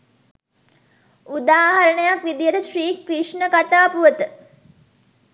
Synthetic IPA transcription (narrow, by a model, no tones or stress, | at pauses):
ud̪aːɦɐɾəɳəjakʋid̪ijəɾəʃriːkriʂɳəkat̪aːpuʋət̪ə